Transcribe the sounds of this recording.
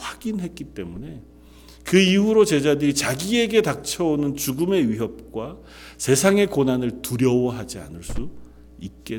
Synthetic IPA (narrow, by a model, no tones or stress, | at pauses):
ɸwaɡinɦe̞t̚k͈it͈e̞mune̞ | kɯiuɾot͡ɕe̞d͡ʑadɯɾit͡ɕaɡie̞ɡe̞tak̚t͡ɕʰʌonɯnt͡ɕuɡɯme̞ɥiɦʌp̚k͈wa | sʰe̞sʰaŋe̞konanɯɭtuɾjʌwʌɦad͡ʑia̰nɯɭs͈u | ik͈e̞